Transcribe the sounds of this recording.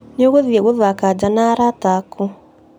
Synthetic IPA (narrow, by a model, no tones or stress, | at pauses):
neɔɣoðiɛɣoðwakad͡ʒanaɾataku